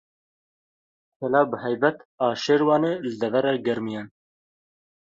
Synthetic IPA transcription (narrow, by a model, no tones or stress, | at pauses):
kʰɛlɑːbəhɛjbɛt̪ɑːʃeːɾwɑːneːlɨd̪ɛvɛɾɑɡɛɾmijɛn